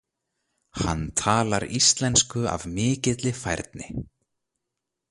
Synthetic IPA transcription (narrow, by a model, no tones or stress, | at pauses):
ha̰nːt̪ʰaːlaɾist̪lɛnskʏa̰vmɪːcɪt̪lɪfajɾt̪̚nɪ